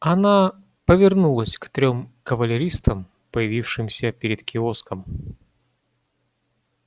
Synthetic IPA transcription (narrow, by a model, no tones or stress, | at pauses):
ɐna | pəvʲɪrnulˠəsʲkt̪ɾʲo̞mkəvəlʲɪɾʲist̪əm | pəjɪvʲifʂɨmsʲəpʲɪɾʲɪt̪kʲʰɪoskəm